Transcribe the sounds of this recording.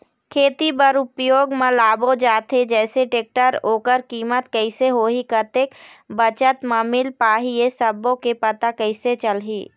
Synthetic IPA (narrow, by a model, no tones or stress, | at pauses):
kʰeːt̪ibəɾʊpjoːɡmãlaːbod͡ʒaːt̪ʰed͡ʒɛːseʈeːk̚ʈəɾoːkəɾkiːmət̪kəɪseɦoːɦikət̪eːkbət͡ʃət̪maːmɪlpaːɦijesəbõkepət̪akəɪset͡ʃəlɦiː